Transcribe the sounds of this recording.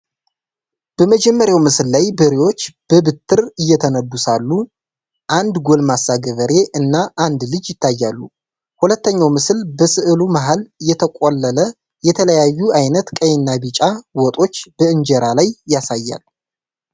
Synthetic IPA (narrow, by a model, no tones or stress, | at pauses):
b̥əməd͡ʒɛmːəɾjawmɨsɨlːajbɨɾiwo̞t͡ʃːb̥əbɨt̪ʰːɨɾɨjːɛt̪ʰənəbusalːu | ʔand̪ɡo̞lmasːaɡəβəɾe̞ʔɨnːaʔand̪lɨd͡ʒjɪt̪ʰːajːalːu | hulət̪ːəɲːawmɨsɨlbəsɨʔɨlumaɦaljɛt̪ʰəkʷʼolːələ | jɛt̪ʰələjajːuʔajnət̪kʼəjnːabit͡ʃʼawɔt̪ʼo̞t͡ʃːb̥əɨnd͡ʒɛɾalajːasajːa̰l